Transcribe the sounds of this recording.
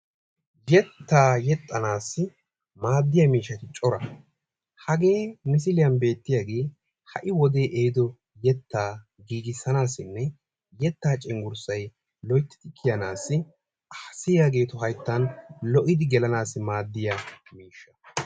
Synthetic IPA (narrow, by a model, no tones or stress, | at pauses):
jɛt̪ːaːjɛt̪ʼːɐnaːsːɪ | maːd̪ːɪjɐmiːʃːɐt̪ɪt͡ʃʼɔɾɐ | hɐɡe̞ːmɪs̬ɪlɪjɐnbe̞ːt̪ːɪjaːɡe̞ː | hɐʔɪwɔd̪e̞ːʔejd̪ɔ | jɛt̪ːaː | ɡiːɡɪsːɐnaːsːɪnːɛ | jɛt̪ːaːt͡ʃʼɪŋɡʊɾsɐj | lɔjt̪ːɪ̥t̪ɪkʰːɪjɐnaːsːɪ | sɪjaːɡe̞ːt̪ɔɦɐjt̪ːɐnlɔʔɪd̪ɪɡɛlɐnaːsːɪmaːd̪ːɪjɐmiːʃːɐ̥